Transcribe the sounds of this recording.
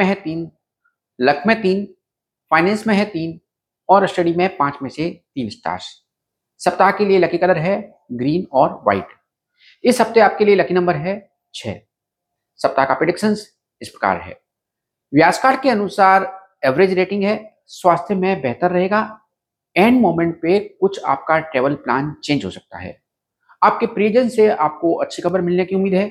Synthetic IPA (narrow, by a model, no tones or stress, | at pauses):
ẽɦɛt̪iːn | lɐkʰmẽt̪iːn | faːɪnɛ̃ːnsmẽɦɛt̪iːn | ɔːɾɪsʈəɖimẽpãːt͡ʃmẽset̪iːnsʈa̰ːɾs | sɐp̚t̪akelielɐkʰikələɾɦɛ | ɡɾiːnɔːɾʋa̰ɪʈ | ɪsɦɐb̚t̪eaːp̚kelielɐkʰinɐ̃mbəɾɦɛ | t͡ʃʰɛ̰ː | sɐp̚t̪akapɾeɖɪkʃəns | ɪspɾɐka̰ːɾɦɛ̰ː | ʋjaːd͡ʒkaːʈkeɐnʊsaːɾ | ɛːʋɾeːd͡ʒɾeːʈɪ̃ŋɡɦɛː | swaːst̪ʰjəmẽbɛɦt̪əɾːɐɦeːɡaː | ɛ̃ːɳɖmoːmẽɳʈ̚pekʊt͡ʃʰa̰ːp̚kaʈɾeːʋəlplaːnt͡ʃẽːɲd͡ʒɦo̰sɐk̚t̪a̰ɦɛ̰ː | aːp̚kepɾioːd͡ʒə̃nseaːp̚koʔɐtːʃʰixɐbəɾmɪlnekiʊmːiːd̪ʱɦɛː